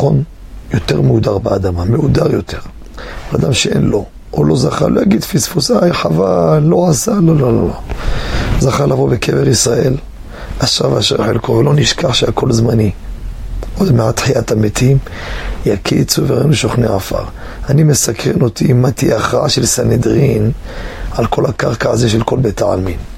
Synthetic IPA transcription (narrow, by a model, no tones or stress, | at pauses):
on | jo̞t̪e̞ʁmeud̪aʁbead̪amameud̪aʁjo̞t̪ʰeʁ | alad̪amʃeʔḛnlo̞ | ʔolo̞zaχa̰lʔojaɡid̪fisfusajħavalːo̞asalololo̰lo | zaχalavo̞bekʰeveʁisʁael | aʃavaʃeʁħelkovelo̞niʃkaħʃeako̞lzmani | ʔod̪meʕat̪ħiat̪amet̪ʰim | jakʰit͡suveʁenueʃoχneʕafa̰ʁ | animesakʁeno̞t̪imat̪iaχaʃelsaned̪ʁin | ʕalko̞lhakaʁkaazeʃelko̞lbet̪aa̰lmin